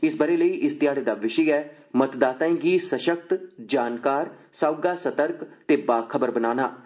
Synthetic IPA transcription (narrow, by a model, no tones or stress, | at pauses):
ɪsbəɾeːləiːʔɪst̪ɪjaːɽeːd̪aːʋɪʃəɛː | mət̪d̪aːt̪ãɡiːsəʃək̚t̪d͡ʒaːnkaːɾ | saʊɡaːsət̪əɾkt̪eːbaːkʰəbəɾbənaːna̰ː